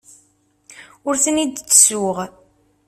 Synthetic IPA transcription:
ʊɾθənid̪t͡sːə̥sʊʁ

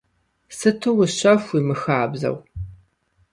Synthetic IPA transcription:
sɨtʰɨwʊɕɐfʷiːmɨxaːbzɐ̰w

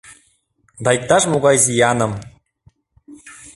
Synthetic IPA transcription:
d̪ɑjk̚t̪ɑʃmuɣɑjzijɑnɤ̆m

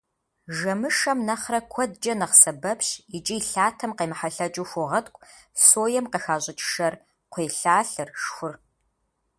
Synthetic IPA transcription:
ʒɐmɨʂɐmnɐχrɐkʷʰɔd̚d͡ʒɐnɐχsɐbɐpʰɕɪt͡ʃʼiːɬaːtʰɐmqeːmħaɬɐt͡ʃʼuːxʷʊʁɐtkʷʰʼsoːjɛmqɐxaːʑʼɪt͡ʃʰʼɪ̥ʃɐr | qʷeːɬaːɬɨrʂxʷʊr

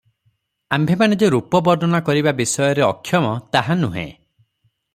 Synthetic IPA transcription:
ambʱemaned͡ʒeɾupɔbɔɾd̪ʱɔnakɔɾibabisɔjɔɾeɔkʰːjɔmɔt̪aɦanuɦḛ̃

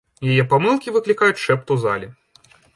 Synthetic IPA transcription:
jajɛpamɨlˠkʲivɨklʲikajut͡sʲʂɛp̚t̪uza̰lʲi

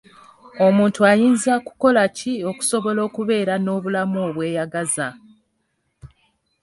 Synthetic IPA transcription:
o̞muːntuajiːnzaku̥ko̞lacio̞ku̥so̞βo̞lo̞ːkuβe̞ːɾano̞ːβulamoːβwe̞ːjaɡaza

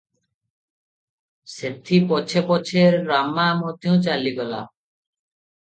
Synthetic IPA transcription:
set̪ʰipɔt͡ɕʰepɔt͡ɕʰeɾːamːamot̪jõt͡ɕalːiɡɔla̰

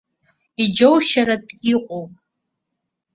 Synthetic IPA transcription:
id͡ʒowʃaɾatʼiqʷʼowpʼ

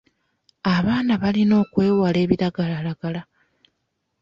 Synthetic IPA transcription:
aβaːnaβalino̞ːkwe̞ːwale̞ːβiɾaɡalalaɡala

